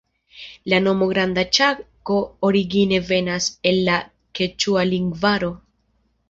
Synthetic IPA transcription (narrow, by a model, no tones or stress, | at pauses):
lano̞mo̞ɡɾand̪at͡ʃako̞oɾiɡine̞ve̞nase̞lːa | ke̞t͡ʃualiŋɡvaɾo̞